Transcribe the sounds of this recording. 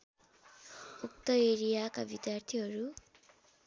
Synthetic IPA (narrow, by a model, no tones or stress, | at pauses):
uk̚t̪ʌeɾijakabid̪jart̪ʰiɦʌɾu